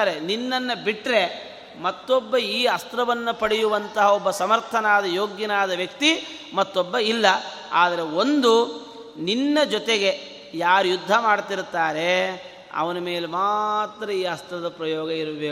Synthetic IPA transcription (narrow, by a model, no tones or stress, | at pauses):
ɾeninːɐnːɐbiʈɾe̞ | mɐt̪ːɔbːɐiːɦɐst̪ɾɐʋɐnːupɐɽijuʋɐnt̪ɐɦɐɔbːɐsɐmɐɾt̪ʰɐnaːd̪ɐjoːɡjɐnaːd̪ɐʋjɐkt̪i | mɐt̪ːɔbːɐilːɐ | aːd̪ɐɾe̞o̞nd̪u | ninːɐd͡ʒɔt̪eɡe̞ | jaːɾujud̪ʱːɐmaːɽt̪iɾt̪ːaːɾe̞ | ɐ̰ʋɐnɐme̞ːlemaːt̪ːɾɐiːɐst̪ɾɐd̪ɐpɾɐjɔːɡɐiɾʋeː